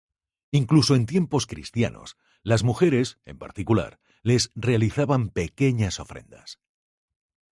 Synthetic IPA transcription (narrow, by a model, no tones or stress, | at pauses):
iŋkluso̞ent̪je̞mpo̞skɾḭst̪ja̰no̞̰s | lazmuxe̞ɾe̞se̞̰mpa̰ɾt̪ikula̰ɾ | le̞sre̞aliθaβampe̞ke̞ɲaso̞fɾe̞̰nd̪a̰s